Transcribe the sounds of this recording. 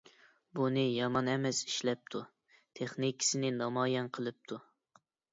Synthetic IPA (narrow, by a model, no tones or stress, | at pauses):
bunɨjɑmɑnɛmɛsi̥ʃlɛp̚t̪ʰu | t̪ʰeχnikʰʲɪ̥sɪnɪnɑmɑːjɛnqʰəlˠɨp̚t̪ʰu